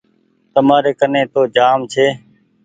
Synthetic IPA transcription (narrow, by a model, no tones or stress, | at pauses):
t̪əmaːɾeːkənẽːt̪oːd͡ʒaːmt͡ʃʰeː